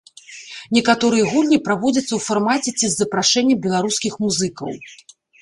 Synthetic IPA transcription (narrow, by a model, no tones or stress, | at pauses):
nʲɛkat̪ɔɾɨjɐɣulʲnʲipɾavɔd͡zʲɐt̪sːɐwfarmat͡sʲɛt͡sʲizːɐpɾaʂɛnʲːɐbʲɛlˠaɾuskʲixmuzɨkɐ̰w